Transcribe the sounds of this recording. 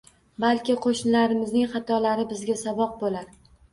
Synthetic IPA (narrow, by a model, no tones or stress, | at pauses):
balkʲɪqʰoʃnɪlaɾɪmɪznɪŋχɑt̪ʰɒlaɾɪbɪzɡʲasabɒq̚bolaɾ